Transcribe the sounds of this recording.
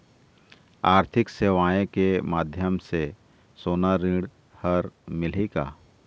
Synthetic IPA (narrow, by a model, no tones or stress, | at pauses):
aːɾt̪ʰɪkseːʋaːjẽkemaːd̪ʱjəmse | soːnaɾĩːɽ | həɾmɪleka̰ː